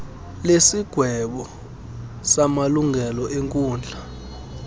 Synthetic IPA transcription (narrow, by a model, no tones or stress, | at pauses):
lesiɡ̥ʱwɛɓɔ | samaluŋɡʱɛlɔʔeŋkʼuːnd͡ɮʱa